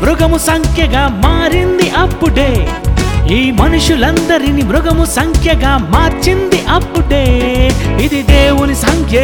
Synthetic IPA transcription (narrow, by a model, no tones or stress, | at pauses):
bɾuɡɐmusɐŋkʰjɐɡɐmaːɾind̪iʔɐpːuɖeː | iːmɐnuʂjulɐnd̪ɐɾinibɾuɡɐmusɐŋkʰjɐɡɐmaːɾt͡ʃind̪iʔɐpːuɖeː | id̪id̪eːʋunisɐŋkʰje